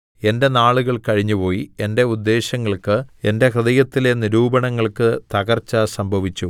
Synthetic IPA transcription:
e̞nde̞naːɭuɣɐɭkɐɻiɲːupo̞ːjie̞nde̞ud̪ːe̞ːɕɐŋːɐɭkɨe̞nde̞krɨðɐjɐt̪ːile̞niɾuːbɐɳɐŋːɐɭkɨt̪ɐɣɐrt͡ɕːasɐmbʱɐʋit͡ɕːu

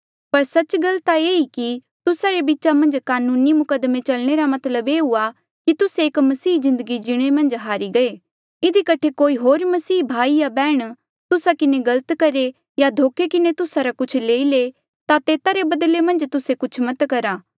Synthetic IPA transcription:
pɐɾsɐt͡ʃɡɐlt̪aeːiki | t̪ʊsaɾebɪːt͡ʃamɐ̃nd͡ʒkaːnuːnimʊkəd̪mẽt͡ʃɐlɽ̃eɾamɐt̪ləbeːɦʊa | kit̪ʊseːkmɐsiːzɪ̃nd̪əɡid͡ʒɪɽ̃emɐ̃nd͡ʒɦaːɾiɡɐeː | ɪd̪ikɐʈʰekoːiɦoːɾmɐsiːbʱaːijabɛːɽ̃ | t̪ʊsakɪneɡɐlət̪kɐɾe | jad̪ʱoːkʰekɪnet̪ʊsaɾakʊt͡ʃʰleːile | t̪at̪eːt̪aɾebɐd̪lemɐ̃nd͡ʒt̪ʊsekʊt͡ʃʰmɐt̪kɐɾaː

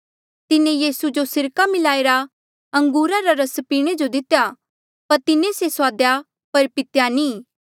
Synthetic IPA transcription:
t̪ɪnẽjiːsud͡ʒosɪɾkamɪlaːeːɾa | ɐ̃ŋɡuːɾaɾaɾɐspiːɽ̃ed͡ʒod̪ɪt̪ja | pɐɾt̪ɪnẽsesʊaːd̪ja | pɐɾpɪt̪janĩː

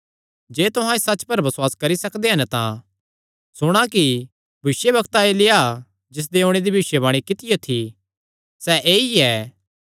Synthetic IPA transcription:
d͡ʒeːt̪ʊɦãːesɐt͡ʃpɐɾbɐsʊwaːskɐɾisɐkd̪eɦɐnt̪ã̰ | sʊɽ̃aki | bʱɪʃjebɐkt̪aelɪa | d͡ʒɪs̬d̪eõːɽ̃ed̪ibʱiʃjebaːɽ̃ikɪt̪ɪjot̪ʰi | sɛʔeːiɛː

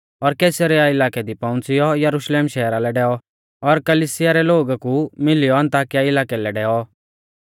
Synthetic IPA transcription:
ɔɾkeːsəɾɛaɪlaːkɛd̪ipɔ̃ʊ̃nt͡sɪjɔjɐɾʊʃleːmʃɛːɾalɛɖɛːɔ | ɔɾkɐliːsɪjaɾɛloːɡakumɪlɪjɔɐ̃nt̪aːkjaɪlaːkɛlɛɖɛːɔ

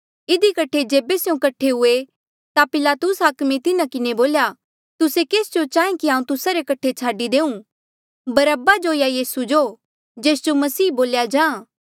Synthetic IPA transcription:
ɪd̪ikɐʈʰed͡ʒeːbesejũkɐʈʰeɦʊe | t̪apɪlaːt̪ʊsɦaːkmet̪ɪnakɪneboːlja | t̪ʊsekeːsd͡ʒot͡ʃaːẽkiɦãːũt̪ʊsaɾekɐʈʰet͡ʃʰaːɖid̪eːũ | bɐɾəbad͡ʒojajiːsud͡ʒo | d͡ʒeːsd͡ʒomɐsiːboːljad͡ʒãː

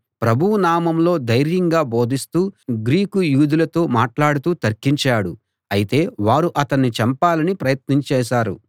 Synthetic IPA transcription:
pɾɐbʱuwunaːmɐmlo̞ːd̪ɐjɾjɐŋɡaːbo̞ːd̪ist̪uːɡɾiːkujuːd̪ulɐt̪oːmaːʈlaːɽut̪uːt̪ɐɾkiɲt͡ʃaːɽu | ɐjit̪e̞ːʋaːɾuʔɐt̪ɐnːit͡ʃɐmpaːlɐnipɾɐjɐt̪niɲt͡ʃɛːʃaːɾṵ

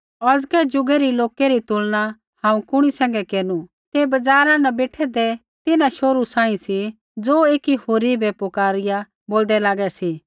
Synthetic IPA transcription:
ɔd͡zkɛd͡ʒʊɡɛɾiloːkɛɾit̪ʊlna | hãːũkʊɽ̃isɛ̃ːŋɡɛkeːnu | t̪ebɐd͡zaːɾãnɐbeːʈʰɛd̪ɛ | t̪ɪnãʃoːɾusãːĩsi | d͡zoːeːkihoːɾibɛpokaːɾɪja | boːld̪ɛlaːɡɛsi

